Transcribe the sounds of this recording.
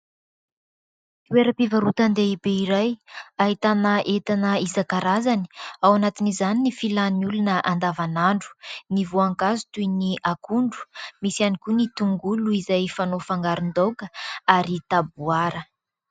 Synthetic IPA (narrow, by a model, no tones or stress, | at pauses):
kweɾəpivaɾut̪and̪eibeiɾajaɦit̪anəʔet̪anəizakaɾazani̥awanat̪inizaninifilaniulunəʔand̪avanaɳɖ͡ʐu̥nivoaŋkazu̥t̪ujniʔakuɳɖ͡ʐu̥misianikunit̪uŋɡuluizajfanofaŋɡaɾund̪owkəaɾit̪abuaɾə